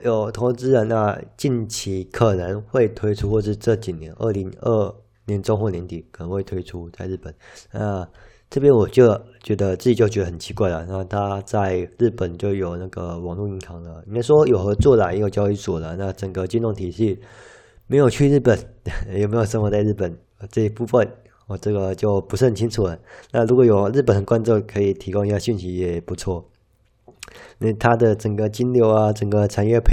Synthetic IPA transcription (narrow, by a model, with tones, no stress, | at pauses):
jo˨˩ʊt̪ʰo˧˥ʊt͡sɹ̩˥lə˨na˥˧t͡ɕi˥˩nt͡ɕʰi˧˥kʰə˨˩nə˧˥ŋxwe˥˩ɪt̪ʰwe˥ɪʈ͡ʂʰu˥xwɔ˥˧ʂɻ̩˥˧ʈ͡ʂɤ˥˩t͡ɕi˨˩njɛ˧˦nʔə̰˥˩li˧˥ŋə˥˩ | njɛ˧˥nʈ͡ʂŋxwɔ˥˩njɛ˧˥nt̪i˨˩kʰə˨˩nə˧˦ŋxwe˥˩ɪt̪ʰwe˥ɪʈ͡ʂʰu˥t͡sa˥˧ɪɻ̩˥˩pə˨˩nna˥˧ | ʈ͡ʂɤ˥˩pjɛ˥nwɔ˨˩t͡ɕjo˥˩ʊt͡ɕɥɛ˧˥d̪ə˧t͡s̩˥˩t͡ɕi˨˩t͡ɕjo˥˩ʊt͡ɕɥɛ˧˥d̪ə˩ə˨˩nt͡ɕʰi˧˥kwa˥˩ɪlə̰˩na˥˧t̪ʰa˥t͡sa˥˧ɪɻ̩˥˩pə˨˩nt͡ɕjo˥˩ʊjo˨˩ʊna˥˩ɡə˩wɑ˨˩ŋlu˥˩˨i˧˥nɑ˧˥ŋlə˧i˧˥ka˥˩ɪʂwɔ˥jo˨˩ʊxɤ˧˥t͡swɔ˥˩la˧˥i˥jo˨˩t͡ɕjɑ˥ʊi˧˥swɔ˨˩lə˦na˥˩ʈ͡ʂə˨˩ŋɡə˦t͡ɕy˥˧nt̪o˥˩ŋt̪ʰi˨˩ɕi˥˩ | me˧˥ɪjo˨˩ʊt͡ɕʰy˥˧ɻ̩˥˩pə˨˩˦njme˧˥jo˨˩ʂə˧˥nmə˧˥t͡sa˥˧ɪɻ̩˥˩pə˨˩n˧˩ | ʈ͡ʂɤ˥˧i˥pu˥˩fə˥˨˩n˨˩ | ʈ͡ʂɤ˥˩ɡə˩t͡ɕjo˥˩ʊpu˧˥ʂɻ̩˥˩ə˨˩nt͡ɕʰi˥nt͡sʰu˨˩lə˦na˥˩ɻu˧˥kwɔ˨˧˦jo˨˩ʊɻ̩˥˩pə˨˩nd̪ə˦˩kwa˥nt͡sɔ˥˩kʰɤ˧˥i˨˩t̪ʰi˧˥ko˥ŋi˧˥ɕɕy˥˩nɕi˧˥jɛ˨˩pu˧˥t͡sʰwɔ˥˩ | ə˥˩t̪ʰa˥d̪ə˨ʈ͡ʂə˨˩ŋɡə˦t͡ɕi˥nljo˧˥ʊa˧ʈ͡ʂə˨˩ŋɡə˧˦ʈ͡ʂʰa˨˥njɥɛ˥˧pʰ